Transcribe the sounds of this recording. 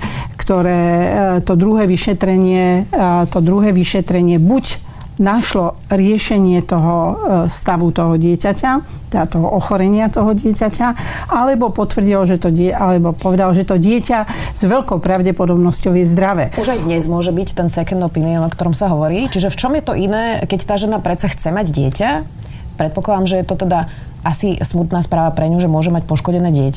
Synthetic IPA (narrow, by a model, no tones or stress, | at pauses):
kt̪ɔɾɛːt̪ɔd̪ɾuɦɛːʋiʃɛt̪ɾɛɲɪɛt̪ɔd̪ɾuɦɛːʋiʃɛt̪ɾɛɲɪɛbuɟ | naʃlɔ | ɾɪɛʃɛɲɪɛt̪ɔɦɔst̪aʋut̪ɔɦɔɟɪɛcaca | t̪at̪ɔɦɔʔɔxɔɾɛɲɪat̪ɔɦɔɟɪɛcacaalɛbɔpɔt̪ʋr̩ɟilɔʒɛt̪ɔɟɛalɛbɔpɔʋɛd̪alɔʒɛt̪ɔɟɪɛcaz̥ʋɛʎkɔʊpɾaʊɟɛpɔd̪ɔbnɔscɔʊjɛzd̪ɾaʋɛːʔuʒajd̪ɲɛzmʊɔʒɛbict̪ɛnsɛkɛnd̪ɔpiniɔnɔkt̪ɔɾɔmsaɦɔʋɔɾiːt͡ʃiʒɛft͡ʃɔmjɛt̪ɔʔinɛːkɛct̪aːʒɛnapɾɛt̪t͡saxt͡sɛmaɟɟɪɛca | pɾɛt̪pɔklˠad̪aːmʒɛjɛt̪ɔt̪ɛd̪a | ʔasismut̪naːspɾaːʋapɾɛɲuʒɛmʊɔʒɛmacpɔʃkɔɟɛnɛːɟɪɛca